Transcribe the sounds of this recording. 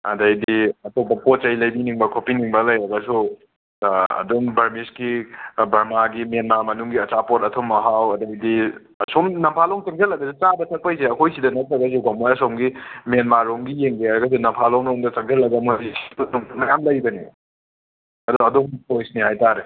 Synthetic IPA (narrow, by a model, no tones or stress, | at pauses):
ɐ̰dɐjdiɐtopːɐpot̚t͡ʃɐjlɐjbiniŋbɐkʰopiniŋbɐlɐjɾɐɡɐsu | ɐ̰doŋbɐɾmiskibɐɾmaɡimenmaɾmɐnuŋɡiɐt͡ʃapotɐtʰomɐɦawɐdɐjdi | ɐsomnɐmpʰaloŋt͡ʃɐŋzelɐɡɐsut͡ʃabɐtʰɐk̚pɐjseɐkʰojsidɐnɐt̚ɾɐɡɐs̬uɡamojɐsomɡimenmaɾoŋɡijeŋɡeaɾɐɡɐs̬unɐmpʰaloŋɾoŋdɐt͡ʃɐŋzelɐɡɐmodisʰipɐtuŋtumɐjamlɐjbɐni | ɐduɐdoŋpojsnihajtaɾe